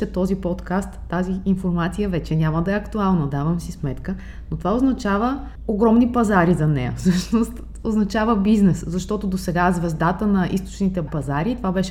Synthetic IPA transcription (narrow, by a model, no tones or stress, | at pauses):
ɛt̪ɔzipɔt̪kast̪ːaziinfoɾmat̪sijəvɛt͡ʃɛnʲaməd̪ɐɛɐkt̪ualˠnəd̪avɐmsismɛt̪kə | not̪ovaoznɐt͡ʃavə | oɡɾɔmnipɐzaɾizɐnɛjə̰fsɤʃnost̪ | oznɐt͡ʃavəbiznɛszɐʃt̪ɔt̪od̪osɛɡazvɛzd̪at̪ənɐʔist̪o̥t͡ʃnit̪ɛpɐzaɾit̪ovabɛʃɛ